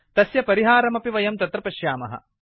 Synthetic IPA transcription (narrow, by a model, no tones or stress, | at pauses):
t̪ɐsjɐpɐɾiɦaːɾɐmɐpiʋɐjɐmt̪ɐt̪ɾɐpɐʃjaːmɐ̰ɦɐ̰